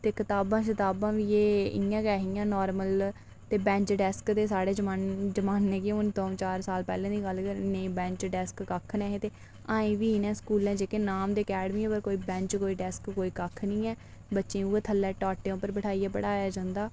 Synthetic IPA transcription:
t̪eːkɪt̪aːbãːʃɪt̪aːbãːʋiːeːɪjãːkɛːɦiːjãːnɔːɾməl | t̪eːbɛ̃ːɲt͡ʃɖɛskd̪eːsaːɽeːd͡ʒəmaːnd͡ʒəmaːnːẽːkeʊnt̪õːt͡ʃaːɾsaːlpɛːlɛ̃ːd̪iːɡəlkəɾnẽːbɛ̃ːɲt͡ʃɖɛskːəkʰnɛːɦẽːt̪eː | ãːĩːʋiːnɛ̃ːskuːlɛ̃ːd͡ʒeːkeːnaːmd̪eːəkɛːɖəmiːɛːpəɾkoːiːbɛ̃ːɲt͡ʃkoːiːɖɛskkoːiːkəkʰnĩːɛː | bətːʃẽːuːeːt̪ʰəlːɛːʈaːʈːeːõːpəɾbəʈʰaːiːɛːpəɽaːjaːd͡ʒãːnd̪aː

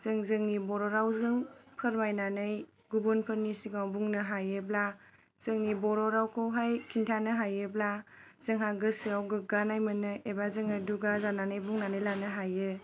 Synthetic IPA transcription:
z̥ɯŋzɯŋnibɔɾɔɾawzɯŋpʰɯɾmajnanɯj | ɡubunpʰɯɾnisiɡawbuŋnɯɦajɯbla | z̥ɯŋnibɔɾɔɾawkʰowɦajkʰintʰanɯɦajɯbla | z̥ɯŋɦaɡɯsiawɡɯɡanajmɯnɯʔebazɯŋɯduɡazananɯjbuŋnanɯjlanɯɦajɯ

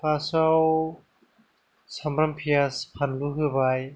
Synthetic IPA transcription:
pʰasaw | samɾampʰijaspʰanluɦɯbaj

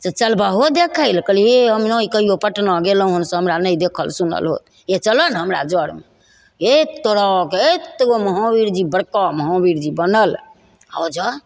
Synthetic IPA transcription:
set͡ʃəlbaɦod̪ekʰəɪlkəlieɦəmnõikəɦijopəʈnãɡeloɦənsə̃ɦəmɾanəjd̪ekʰə̰lsunə̰lɦo̰t̪ | et͡ʃələnɦəmɾa̰d͡ʒəɽme | et̪oɽakeet̪oməɦɔ̃biɾd͡ʒibəɽkɔməɦɔ̃biɾd͡ʒibənəl | a̰d͡ʒə

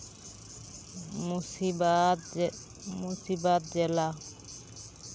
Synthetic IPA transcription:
musiba | musibat̪̚d͡ʒɛla

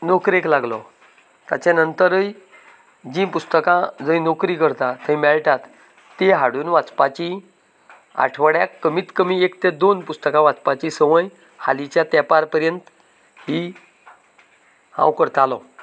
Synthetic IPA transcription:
nokɾeklaɡlɔ̰ | t̪a̰t͡ɕanənt̪əɾəj | d͡ʑĩpust̪əkãd͡zəjnokɾiːkəɾt̪at̪ʰə̃jmɛɭʈat̪ː | eɦaɽuːnʋat͡spat͡ɕi | a̰ʈʰʋəɽjakːəmiːt̪kəmiekt̪ed̪onpust̪əkãʋat͡spat͡ɕisəʋəj | ha̰lit͡ɕjat̪ɛpaɾpəɾjənt̪ | ɦi | hã̰wkəɾt̪alɔ̰

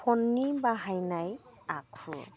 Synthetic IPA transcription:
pɔnːibaɦajnajakʰṵ

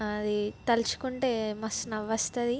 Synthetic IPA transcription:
ɐd̪it̪ɐlt͡ʃu̥kuɳʈe̞ːmɐsnɐʋːɐst̪ɐd̪i

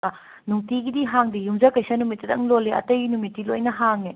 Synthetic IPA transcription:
ɐ | nuŋtiɡidiɦaŋdijumzɐkɐjsɐnumitːɐdɐŋloleʔɐ̰tɐjɡinumitːilo̰jnɐɦaŋe

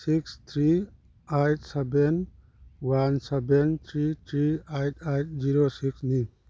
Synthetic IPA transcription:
sikst̪ʰɾi | ajt̚ʰsɛben | wansɛbent̪ʰɾit̪ʰɾiajtʰajt̚ʰziɾosiksni

